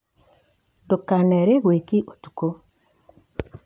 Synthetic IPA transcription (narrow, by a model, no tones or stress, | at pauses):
dokanɛɾeɣwekiʔotu̥ko